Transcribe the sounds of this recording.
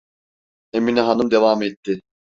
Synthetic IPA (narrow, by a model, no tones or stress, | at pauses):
eminiɦanɯmd̪evamet̪ʰːɪ